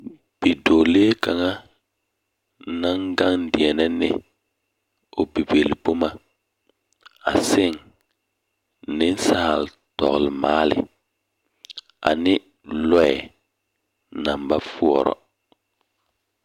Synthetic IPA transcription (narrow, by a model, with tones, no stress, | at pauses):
b̥i˨do˨leː˦ka˨ŋa˦ | na˦ŋɡa˦ŋdi˨ɛ˨nɛ˦nɪ˦ | o˨bi˨be˨lbo˦ma˦ | a̰˨sɪ˦ŋ˨ | nɪ˦n˦sa˦˨l | tɔ̰˨ɣlmaː˦lɪ̰˨ | a̰˨nɪ˦ | lɔ˦ɛ˨ | na˨mba˦fu˦ɔ˨ɾɔ̰˨